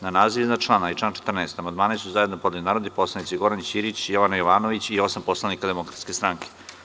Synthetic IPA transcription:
nanaːziʋinat͡ʃlˠaːnaiʈ͡ʂaːnt͡ʃe̥t̪r̩nɛːst̪amand̪maːnisuzaed̪nopod̪linaːɾod̪ipo̞slanit̪iɡo̞ɾanit͡ɕiɾit͡ɕjoʋanajoʋaːnoʋit͡ɕio̞sampo̞slˠanikad̪e̞mokɾat̪skʲe̞st̪ɾaŋkʰe̥

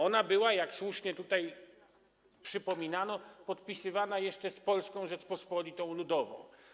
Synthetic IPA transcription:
ɔnabɘwajakswuʂɲɛt̪ut̪aj | pʂɘpɔmʲinanɔpɔt̪pʲisɘvanajɛʂt͡ʂɛspɔlskɔ̃w̃ʐɛt͡ʂpɔspɔlʲit̪ɔ̃w̃lud̪ɔvɔ̰̃w̃

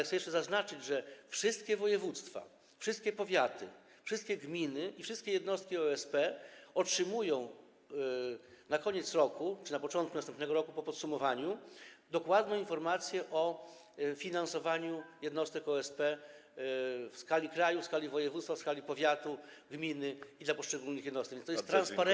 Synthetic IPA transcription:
ɛxsɛjɛʂt͡ʂɛzaznat͡ʂɘd͡ʑʐɛfʂɘst̪kʲɛvɔjɛvut̪st̪fa̰ | fʂɘst̪̚kʲɛpɔvʲjat̪ɘ̰ | fʂɨst̪̚kʲɛɡmʲinɘʔifʂɘst̪kʲɛjɛd̪nɔst̪̚kʲiɔɛspɛɔtʂɘmujɔ̃w̃ | nakɔɲɛt̪sɾɔkut͡ʂɘnapɔt͡ʂɔ̃nt̪̚kunast̪ɛmpnɛɡɔɾɔkupɔpɔt̪sumɔvaɲud̪ɔkwad̪nɔ̃infɔɾmat̪sʲjɛʔɔ | fʲinansɔvaɲujɛd̪nɔst̪ɛkɔɛspɛ | fskalʲikɾajufskalʲivɔjɛvut̪t̪fafskalʲipɔvʲjat̪uɡmʲinɘid̪lapɔʂt͡ʂɛɡulnɘxjɛd̪nɔsɛkvʲjnt̪ɔjɛst̪ːɾanspaɾɛ

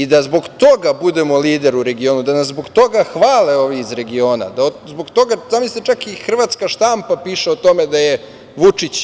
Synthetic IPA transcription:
id̪azbo̞ɡt̪o̞ɡabud̪e̞mo̞liːd̪e̞ɾuɾe̞ɡioːnud̪anaszbo̞ɡt̪o̞ɡaxʋaːleo̞ːʋiːzɾe̞ɡio̞ːna̰d̪aozboɡt̪o̞ɡazaːmislet͡ʃakixr̩ʋat̪skaʃt̪ampapiːʃeot̪o̞med̪aje | ʋut͡ʂit͡ɕ

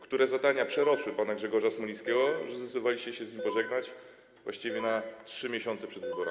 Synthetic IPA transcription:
kt̪uɾɛzad̪aɲapʂɛɾɔswɘpanaɡʐɛɡɔʐasmɔlʲĩjskʲɛɡɔʐɛzɛt̪d̪ɔvalʲiɕt͡ɕɛɕɛzʲɲimpɔʐɛɡnat͡ɕ | vwaɕt͡ɕivʲjɛnatʂɘmʲjɛɕɔnt̪sɛpʂɛd̪vɘbɔɾɛ̰

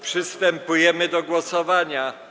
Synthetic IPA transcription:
pʂɘst̪ɛmpujɛmɘd̪ɔɡwɔsɔvaɲa

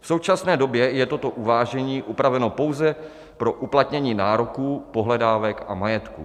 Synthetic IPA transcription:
fso̞wt͡ʃasnɛːdo̞bjɛjɛt̪o̞t̪o̞ʔuvaːʒɛɲiːʔupɾavɛnopo̞wzɛ | pɾo̞ʔuplat̪ɲɛɲiːnaːɾo̞kuːpo̞ɦlɛdaːvɛkʔa̰majɛt̪kṵː

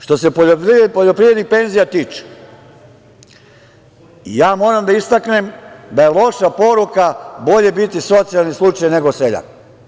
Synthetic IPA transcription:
ʃt̪o̞sepooppoʎo̞pɾivɾed̪nixpe̞nzijat̪iːt͡ʃe̥ | ḭjaːmo̞ːɾamd̪aist̪akne̞md̪ajelo̞ʃapo̞ɾukabo̞ʎe̞bit̪iso̞t̪sijalˠnislˠut͡ʃajne̞ɡo̞seʎa̰

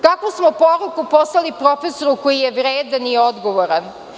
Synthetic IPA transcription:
kakʋosmopoɾukuposlalipɾo̞feso̞ɾuko̞jijeʋɾeːd̪aniod̪ɡoʋoɾan

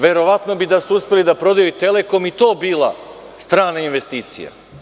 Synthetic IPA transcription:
ʋe̞ɾo̞ʋat̪no̞bid̪asuuspe̞lid̪apɾo̞d̪ajuit̪e̞le̞ko̞mit̪o̞ːbiːlˠa̰ | st̪ɾaːnainʋe̞st̪iːt̪sḭja̰

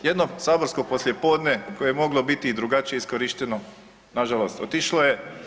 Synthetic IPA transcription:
jed̪no̞saːbo̞ɾsko̞po̞slje̞po̞ːd̪nekojejemo̞ɡlˠo̞bit̪id̪ɾuɡat͡ʃijeiskoɾiʃt̪e̞no | naʒalost̪ot̪iʃloje̞

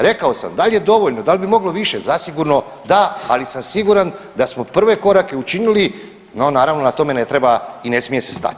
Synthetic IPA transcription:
ɾe̞kaosa̰md̪alje̞d̪o̞ʋoʎnod̪alibimo̞ɡlo̞ʋiʃe̞zasiɡuɾno̞ | d̪aalisamsiɡuɾand̪asmo̞pr̩ʋe̞ko̞ɾake̞ut͡ʃinili | nonaːɾaʋnonat̪o̞me̞ne̞t̪ɾebaine̞smije̞se̞̥st̪a̰t̪i̥

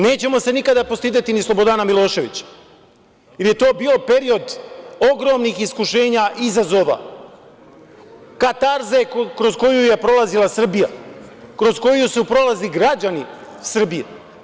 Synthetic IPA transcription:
ne̞ːt͡ɕe̞mo̞se̞nikad̪apo̞st̪iːd̪et̪inislˠobo̞d̪anamilˠo̞ːʃe̞ʋḭt͡ɕḁ | jeɾje̞t̪o̞ːbiːo̞pe̞ɾio̞d̪o̞ɡɾo̞ːmnixiskuʃe̞ːɲaʔizazo̞ːʋa̰ | kat̪aɾzekɾo̞zko̞juje̞pɾo̞lazilˠasr̩bijakɾo̞sko̞jusupɾo̞laziɡɾad͡ʑani | sr̩bije

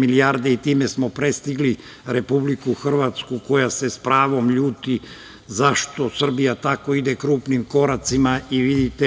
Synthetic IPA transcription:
miliaːɾd̪eit̪iːmesmo̞pɾest̪iɡli | ɾe̞publikuxr̩ʋat̪skuko̞jase̞spɾaːʋo̞mʎuːt̪i | zaʃt̪o̞sr̩bijat̪ako̞id̪ekɾuːpnimko̞ɾat̪simaiʋid̪it̪e

